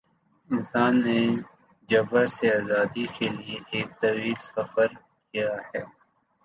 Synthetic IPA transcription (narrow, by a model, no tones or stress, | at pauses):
ɪnsaːnːe | d͡ʒɐbəɾseaːzaːd̪ikelieeːk̚t̪ɐwiːlsɐfəɾ | kijahɛː